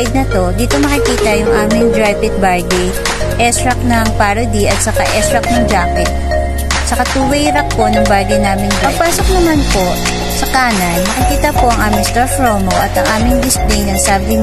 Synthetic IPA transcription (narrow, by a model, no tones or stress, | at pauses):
ɪd̪̚nɐt̪o̞d̪iːt̪o̞mɐkɪkiːt̪ɐjʊŋʔaːmɪŋd̪ɹajpɪk̪̚baɹd̪ɛj | ʔɛst̪ɾɐk̚nɐŋpaɾod̪iʔɐt̪̚sɐkaʔɛst̪ɾɐk̚nɐŋd͡ʒaːkɪt̪̚ | sɐkat̪uːwɛjɾɐk̚po̞nɐŋbaɹd̪ɪjnaːmɪŋd̪pɐpaːsok̚nɐmanpo̞ | sɐkaːnɐjmɐkɪkiːt̪ɐpo̞ʔɐŋʔaːmɪŋst̪oɹfɹoːmoʔɐt̪ɐŋʔaːmɪŋd̪ɪsplijnɐŋsaːbɪŋ